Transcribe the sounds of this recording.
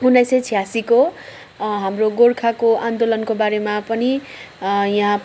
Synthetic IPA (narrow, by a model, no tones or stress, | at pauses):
ɦunajset͡sʰijasiko | ɦamroɡorkʰakoʔand̪olʌnkobaɾemapʌni | jaɦã